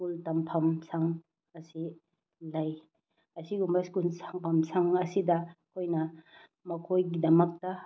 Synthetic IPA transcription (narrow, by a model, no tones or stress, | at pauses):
skultampʰɐmsaŋ | ɐsi | laj | ɐsiɡumbɐskulsaŋpʰɐmsaŋɐsidɐkʰojnɐ | mɐkʰojɡidɐmɐk̚tɐ